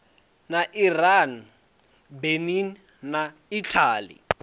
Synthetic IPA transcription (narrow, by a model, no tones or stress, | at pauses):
naʔiran | beninː | a | itʰaːlḭ